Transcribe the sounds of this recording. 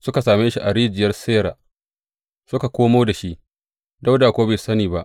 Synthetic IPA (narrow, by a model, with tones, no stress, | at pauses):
sʊ˦ka˨saː˨meː˦ʃi˦ʔa˨ɽiː˦d͡ʒɪ˨jɐ˦rseː˦ɾaː˨ | sʊ˦ka˨kʷoː˦moː˦da˨ʃi˦ʔ | da˦wdaː˨kʷoː˦beː˨sɐ˦niː˨ba˦ʔ